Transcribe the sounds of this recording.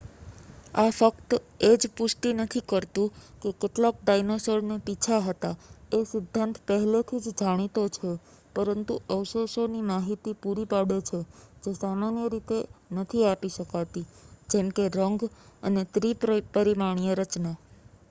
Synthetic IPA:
afəkt̪ | ed͡ʒpʊsʈ̪inət̪ʰikəɾt̪ũkekeʈlak̚ɖajnosəɾneʈ̪it͡ʃʰaɦət̪aesɪd̪ʱːant̪pəɦɛlot̪ʰid͡ʒd͡ʒaɽ̃it̪ot͡ʃʰe | pəɾənt̪uʔəwsosonimaɦit̪ipuɾipaɽet͡ʃʰed͡ʒesamanjəɾit̪enət̪ʰiapiʃəkat̪id͡ʒemkeɾəŋɡə̰net̪ɾippəɾimaɳ̃ijəɾət͡ʃna

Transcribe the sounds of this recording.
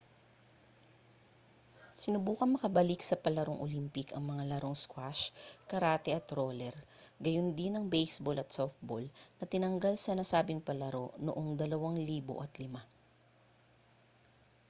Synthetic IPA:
sɪnʊbuːkɐŋmɐkɐbɐlɪksɐpɐlɐɾoŋʔo̰limpɪkɐŋmɐŋalɐɾʔo̞ŋskwaʃkɐɾaːt̪ɛʔɐt̪ɾoːlɛɾ | ɡɐjond̪ɪnɐŋbɛjsbolʔɐt̪sof̚bolnɐt̪ɪnɐŋɡɐlsɐnɐsaːbɪŋpɐlɐɾo̞no̰ʔoŋd̪ɐlɐwaŋliːbo̰ʔɐt̪lɪma

